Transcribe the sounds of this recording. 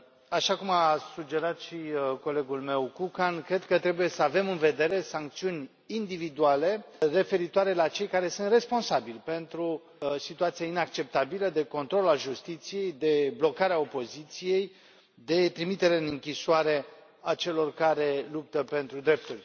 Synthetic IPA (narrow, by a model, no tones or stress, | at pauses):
aʃakumasud͡ʒe̞ɾat̪ʃiko̞le̞ɡulme̞wkukankɾe̞d̪kət̪ɾe̞buje̞səave̞mɨnve̞d̪e̞ɾe̞saŋk̚t̪siunʲ | ind̪ivid̪uale̞re̞fe̞ɾit̪oaɾe̞lat͡ʃe̞jkaɾe̞sɨnt̪re̞spo̞nsabilʲpe̞nt̪ɾu | sit̪uat̪siainak̚t͡ʃe̞p̚t̪abiləd̪e̞ko̞nt̪ɾo̞lalʒust̪it̪sije̞jd̪e̞blo̞kaɾeao̞po̞zit̪sije̞j | d̪e̞t̪ɾimit̪e̞ɾe̞ɨnɨŋkʲiʃuaɾe̞ | at͡ʃe̞lo̞rkaɾe̞lup̚t̪əpe̞nt̪ɾud̪ɾe̞p̚t̪ulʲ